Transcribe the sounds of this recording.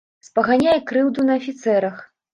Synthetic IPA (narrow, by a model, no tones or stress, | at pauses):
spɐɣanʲajɛkɾɨwd̪unɐɐfʲit̪sɛɾɐx